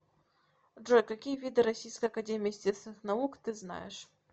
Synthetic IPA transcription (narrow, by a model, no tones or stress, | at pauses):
ʐɔjkakʲijɐvʲid̪ɨɾasʲijskɐjɐkad͡zʲɛmʲijsʲt͡sʲɛsvnɨxnaukt̪ɨzna̰jɛʂ